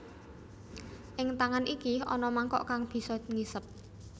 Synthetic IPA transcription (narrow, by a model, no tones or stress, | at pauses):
ʔɪŋt̪aŋanʔikiɔnɔmaŋkɔ̰ʔkaŋb̥i̤sɔŋisəp̚